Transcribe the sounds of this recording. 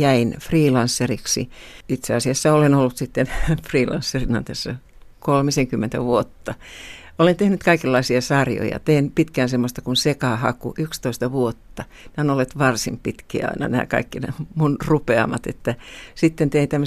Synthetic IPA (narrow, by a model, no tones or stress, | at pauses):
jæinfriːlɑnsːeriksḭit̪seɑsiɑsːɑolenolːut̪sit̪ːenfriːlɑ̰nsːerinɑnt̪æsːæ̰ | kolmiseŋkymːent̪æ̰ʋuot̪ːɑ | olent̪ehnyt̪kɑikelːɑisiɑsɑrjo̰jɑ̰t̪einpit̪kæːnsemːost̪ɑkunsekɑhɑ̰kṵʔykst̪oist̪ɑʋuot̪ːɑ | næˑonolːet̪ʋɑrsimpit̪kiæ̰ɑ̰inɑ̰næ̰ːkɑ̰ikːinæmunrupeɑ̰mɑt̪ḛt̪ːæsit̪ːent̪eint̪æmː